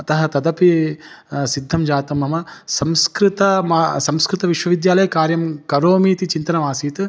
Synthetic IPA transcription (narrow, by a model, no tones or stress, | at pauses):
ɐt̪ɐɦɐt̪ɐd̪ɐpi | sid̪ʱːɐmd͡ʒaːt̪ɐmːɐmɐsɐmskɾɪt̪ɐmaːsɐmskɾɪt̪ɐʋiʃʋɐʋid̪jaːlɐjɐkaːɾjɐmkɐɾoːmiːt̪it͡ʃint̪ɐnɐʋaːsiːt̪